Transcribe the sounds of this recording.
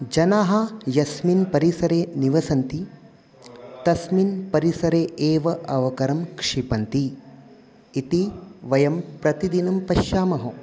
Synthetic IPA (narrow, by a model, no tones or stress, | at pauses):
d͡ʒɐnaːɦɐjɐsminpɐɾisɐɾeːniʋɐsɐnt̪i | t̪ɐsminpɐɾisɐɾeːeːʋɐʔɐʋɐkɐɾɐmkʂiːpɐnt̪i | t̪iʋɐjɐmpɾɐt̪id̪inɐmpɐʃjaːmɐɦɐ